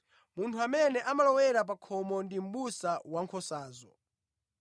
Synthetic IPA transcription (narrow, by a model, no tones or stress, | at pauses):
muntʰuamɛnɛʔamalɔwɛɾap̬akʰɔmɔndim̩ɓusawaŋkʰɔsaːzɔ